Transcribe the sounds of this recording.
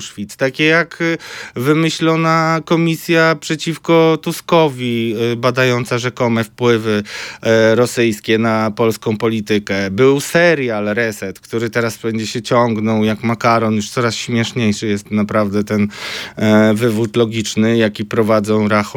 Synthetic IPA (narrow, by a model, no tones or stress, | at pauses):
ʂfʲit̪st̪akʲɛjakvɘmɘɕlɔnakɔmʲisʲjapʂɛt͡ɕifkɔt̪uskɔvʲibad̪ajɔnt̪saʐɛkɔmɛfpwɘvɘ | ɾɔsɘjskʲɛnapɔlskɔ̃w̃pɔlʲit̪ɘkɛbɘwsɛɾjalɾɛsɛt̪kt̪uɾɘt̪ɛɾasbɛɲd͡ʑɛɕɛt͡ɕɔŋɡnɔwjakmakaɾɔnjuʂt̪sɔɾasɕmʲjɛʂɲejʂɘjɛst̪napɾavd̪ɛt̪ɛn | vɘvutlɔɡʲit͡ʂnɘjakʲipɾɔvad̪zɔ̃w̃ɾaxu